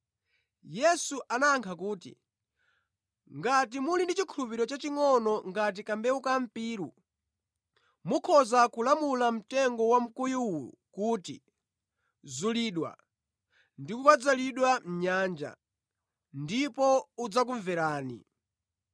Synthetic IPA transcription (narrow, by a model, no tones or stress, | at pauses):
jɛsuʔanaːŋkʰakuːtḭ | ŋɡat̬imulindit͡ʃikʰulupiɾɔt͡ʃat͡ʃiŋɔnɔŋɡat̬ikambɛukam̩piːɾu | mukʰɔzakulamulam̩tɛŋɡɔwam̩kujuwulṵkuːtḭ | zuliːɗwa̰ | ndikukwad͡zaliɗwam̩ɲaːnd͡ʒa̰ | ndipɔud͡zak̬uɱvɛɾaːnḭ